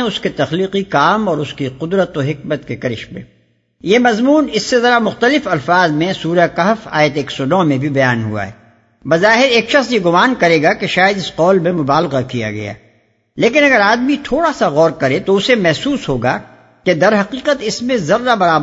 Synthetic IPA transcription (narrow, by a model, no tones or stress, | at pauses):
ʊsket̪ɐxliːqikaːmɔːɾʊskiqʊd̪ɾət̪oɦɪk̚mət̪kekɐɾɪ̰ʃmḛ̃ː | jemɐzmuːnɪsːezɐɾamʊxt̪əlɪfɐlfaːzmẽsuːɾakɐɦfa̰ːjət̪eːksɔnɔːmẽbʱibɐjaːnɦṵa̰ɦɛ̰ː | bɐzaːɦɪɾeːkʃɐxsjeɡʊmaːnkɐɾeːɡakeʃaːjəd̪ɪsqɔːlmẽmʊbaːlɣakija̰ɡɐ̰ja̰ | leːkɪnɐɡəɾaːd̪mit̪ʰoːɽasaɣɔːɾkɐɾẽt̪oʊsemɛɦsuːsɦoːɡa̰ | ked̪ɐɾɦɐqiːqət̪ɪsmẽzɐɾːabɐɾaːb